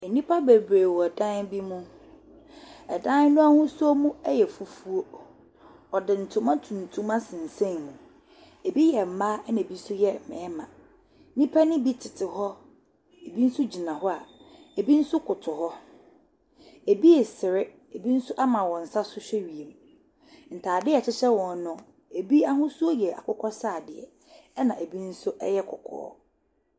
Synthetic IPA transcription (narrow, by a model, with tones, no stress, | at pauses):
e˨nĩ˦pʰa˦be˨bɾeː˨wɔ˨ɛ˨dã˦nbi˦mũ˦ | ɛ˨dã˦n˦nʊ̃˦a˦hʊ̃˦su˦o˦mũ˦ɛ˦jɛ˨fu˨fu˦o˦ | ɔ˨dɪ˨n̩˨tʰʊ̃˦mã˦tʰũ˨n̩˨tʰũ˦mã˦sɪ̃˨n̩˨sẽ˦˨nmũ˨ | e˨bi˦jɛ˨m̩˨ma˦n˨bi˦sʊ˦jɛ˦˨mɪ̰̃˨ɛ˦mã̰˨˦ | nĩ˦pʰa˦nɪ̃˦bi˦tʰɪ˨tʰɪ˨ɦɔ˦ | e˨bi˦n̩˦sʊ˦d͡ʑi˨nã˨ɦɔ˦a˨e˨bi˦n̩˦sʊ˦kʰʊ˨tʰʊ˨hɔ˦ | e˨bi˦ɛ˨sɪ˨ɾɪ˦ | e˨bi˦n̩˦sʊ˦ʔa˦mã˨wɔ̃˨n̩˨sa˦sʊ˦ɕᶣɛ˦ɥi˨e˨m˨ | n̩˨tʰaː˨dɪ˦˨t͡ɕʰɪ˦ɕɛ˦wɔ̃˨nː˦ʊ̃˦ | e˨bi˦a˦ɦʊ̃˦su˦o˦jɛ˨a̰˨kʰʊ˦kʰɔ˦saː˦˨dɪ˨ɛ̰˨˦ | nã˨ʔe˨bi˦n̩˦sʊ˦ʔɛ˦jɛ˦kʰɔ̰˨kʰɔ̰ː˦